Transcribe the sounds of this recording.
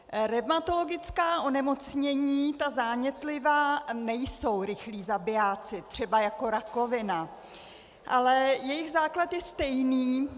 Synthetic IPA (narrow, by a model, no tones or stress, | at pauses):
ɾɛvmat̪o̞lo̞ɡɪt͡skaːʔo̞nɛmo̞t͡sɲɛɲiːt̪azaːɲɛt̪lɪvaːnɛjso̞wɾɪxliːzabɪjaːt͡sɪt̪r̝̥ɛbajako̞ɾako̞vɪna | ʔalɛjɛjɪɣzaːklat̪jɛst̪ɛjniː